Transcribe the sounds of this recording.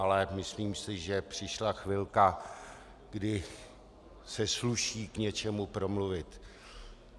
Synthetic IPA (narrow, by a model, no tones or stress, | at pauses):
alɛmɪsliːmsɪʒɛpr̝̥ɪʃlaxvɪlka | ɡ̥dɪ | sɛsluʃiːkɲɛt͡ʃɛmupɾo̞mluvɪt̪